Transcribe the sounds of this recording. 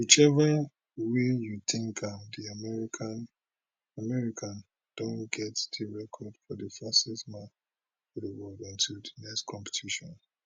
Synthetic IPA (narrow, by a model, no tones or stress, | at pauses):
wit͡ʃɛva | wijut̪ʰĩŋkʰadiamɛɹikʰãn | amɛɹikʰãn | d̥õnɡ̥ɛtd̥iɹɛkʰɔdfɔdəfastɛsmã | fɔdəwɔdĩntʰudinɛkskʰɔ̃mpe̥tʰiʃɔ̃n